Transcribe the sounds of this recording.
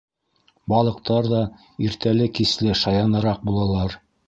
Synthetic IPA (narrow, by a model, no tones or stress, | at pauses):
bɑlˠɤ̆q̚t̪ɑɾðɑ | iɾt̪ælɘkislɘʃɑjɑnɤ̆ɾɑq̚bulˠɑlˠɑɾ